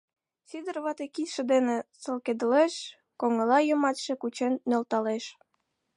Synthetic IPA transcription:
syd̪ə̆rβɑt̪ekit̪ʃĕd̪enesə̆lked̪əleʃ | koŋəlɑjəmɑt̪ʃĕkut͡ɕenːølt̪ɑleʃ

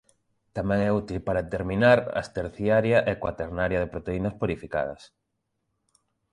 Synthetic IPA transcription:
t̪amɛ̃ŋɛut̪ilpaɾaet̪eɾminaɾa̰st̪eɾθjaɾjaʔekwa̰t̪eɾnaɾjɐðepɾot̪einɐspuɾifika̰ðɐ̰s

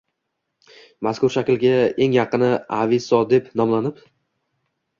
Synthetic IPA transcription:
maskʊɾʃakʲlɡʲae̞ŋjɑqɨnɪavɪsɒd̪e̞pnɒmlanɪp

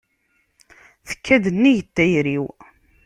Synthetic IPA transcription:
θə̥kːæd̪ənːiʝət̪ːæjɾiw

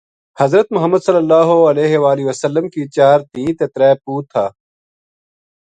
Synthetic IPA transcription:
hɐzɾət̪mʊɦɐmːəd̪sɐlːɐlːaːɦoɐleːɦeʋaːliʋɐsɐlːəmkiːt͡ɕaːɾt̪ĩːt̪et̪ɾɛːpuːt̪ʰaː

